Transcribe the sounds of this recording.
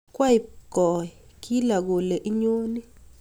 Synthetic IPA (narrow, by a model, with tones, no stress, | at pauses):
kwa˦ɪ˨kɔ˨ɛ˨ | ki˦la˨ɡo˨le˨ʔi˦ɲo˦ni˦